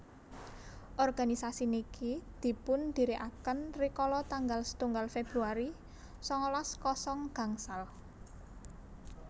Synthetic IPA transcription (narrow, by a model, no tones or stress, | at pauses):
ʔɔrɡ̥a̤nisasinikid̪̥i̤pʊnd̪̥i̤ɾiʔakənrikɔlɔt̪aŋɡalsə̥t̪uŋɡalfeb̥ɾuaɾi | sɔŋɔlaskɔsɔŋɡ̥a̤ŋsal